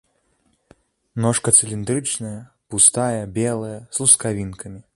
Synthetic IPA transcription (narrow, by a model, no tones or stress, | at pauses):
nɔʂkɐt̪sɨlʲind̪ɾɨt͡ʂnɐjɐ | pust̪ajɐbʲɛlˠɐjɐslˠuskavʲinkɐmʲi